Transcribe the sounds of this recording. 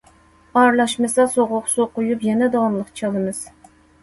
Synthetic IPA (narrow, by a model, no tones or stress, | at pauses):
ɑɾlˠɑʃmɨsɑsoʁʊqsoqʊjupjɛnɛd̪ɑmlˠəqt͡ʃʰɑlˠɨmɨz̥